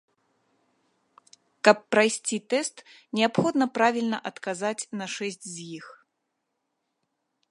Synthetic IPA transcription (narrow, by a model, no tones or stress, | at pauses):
kɐpːɾajsʲt͡sʲit̪ɛst̪nʲɛapxɔd̪nɐpɾavʲilʲnɐʔɐt̪kazat͡sʲnɐʂɛsʲt͡sʲzʲjix